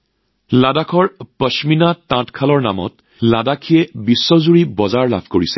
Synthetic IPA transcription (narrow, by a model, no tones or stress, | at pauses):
ladakʰɔɹpəʃminatãtkʰalɔɹna̰mɔ̰t | ladakʰijɛbisːɔzuɹibɔzaɹla̰bʰʱkoɹisɛ̥